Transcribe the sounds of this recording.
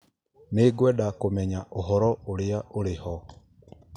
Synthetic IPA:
meɡwɛdakomɛɲaʔoɦɔɾɔoɾeaʔoɾehɔ

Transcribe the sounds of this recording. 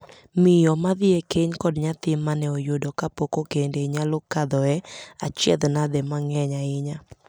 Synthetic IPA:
mɪjɔmaðɪekeɲkɔdɲat̪ɪmːanɛojodɔkapokokendeɲalokad̪ɔɛa̰t͡ʃɛ̰d̪nad̪ɛmaŋɛɲaɪɲa

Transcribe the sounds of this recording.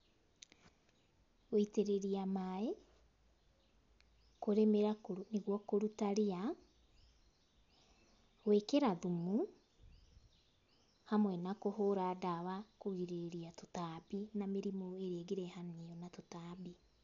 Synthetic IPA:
oiteɾeɾiamae | koɾemeɾakoneɣwɔkoɾutaɾea | wekeɾaðumu | hamwɛnakohoɾadawakoɾiɾeeɾiatotabinameɾimoeɾeeɡeɾɛhaneɔnatotabi

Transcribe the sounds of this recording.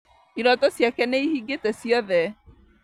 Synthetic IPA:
iɾɔtɔsjakɛnɛihiɡetɛsiɔðɛ

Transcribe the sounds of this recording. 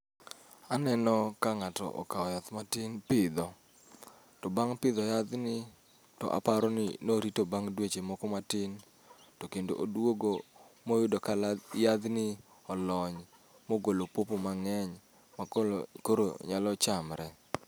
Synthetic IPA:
anɛnɔkaŋatɔ̰ʔɔ̰kaɔjat̪matɪnpɪd̪ɔ | tɔbaŋpɪd̪ɔjad̪nɪ | tɔ̰ʔa̰paɾɔnɪ̰noɾitobaŋdwet͡ʃemɔkɔmatɪn | tɔkendo̰ʔodwoɡo | mojʊdɔkajad̪nɪ | ɔlɔɲ | moɡolopopomaŋɛɲ | makoɾo̰ɲalɔt͡ʃamɾɛ

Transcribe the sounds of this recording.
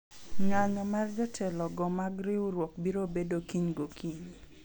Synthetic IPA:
ŋaɲɔmard͡ʒɔtʰɛlɔɡɔmaɡɾɪwɾwɔk̚biɾobedokiɲɡokʰiɲ

